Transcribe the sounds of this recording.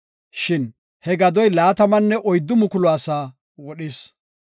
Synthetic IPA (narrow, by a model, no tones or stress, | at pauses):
ʃɪn | hɛɡɐd̪ɔjlaːt̪ɐmɐnːɛʔɔjd̪ːʊmʊkʊlɔasaː | wɔɗɪs